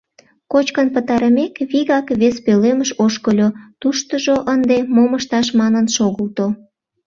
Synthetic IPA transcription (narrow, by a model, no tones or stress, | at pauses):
kot͡ɕkənpət̪ɑɾəmekβiɣɑkβespeleməʃoʃkəlʲot̪uʃt̪əʒoʔənd̪emoməʃt̪ɑʃmɑnənʃoɣəlt̪o